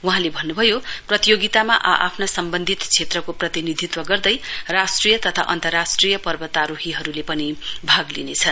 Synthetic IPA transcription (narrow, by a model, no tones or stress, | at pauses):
uɦãlebʱʌnːubʱʌjoprʌt̪ijoɡit̪amaʔaʔapʰnasʌmbʌnd̪ʱit̪t͡sʰet̪rʌkoprʌt̪inid̪ʱit̪wʌɡʌrd̪ʌjrasʈrijʌt̪ʌt̪ʰa̰ʔʌ̰nt̪ʌrːasʈrijʌpʌrbʌt̪aɾoɦiɦʌɾulepʌnibʱaɡlḭnet͡sʰʌn